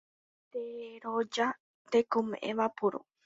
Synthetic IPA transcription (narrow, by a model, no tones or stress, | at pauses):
t̪eɾod͡ʒa | t̪ekomḛ̃ʔẽʋapuɾo̰